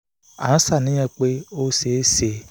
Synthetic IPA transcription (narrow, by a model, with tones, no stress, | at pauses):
a̰˨n̩˦sa˦˨nɪ̃˦ɛ˦k͡pe˦o˦se˨˦se˨